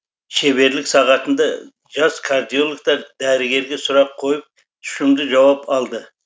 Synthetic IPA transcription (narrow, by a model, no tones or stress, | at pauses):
ʃe̞βe̞ɾlɪksɑʁɑt̪ənd̪ɑ | ʒɑskʰaɾd̪ijo̞lˠkt̪ɑɾd̪æɾɪɡʲe̞ɾɡʲe̞sʊɾɑp̚qʰo̞jəp̚ | t̪ʰʏ̥ʃɪmd̪ɪʒɑwɑpɑlˠd̪ə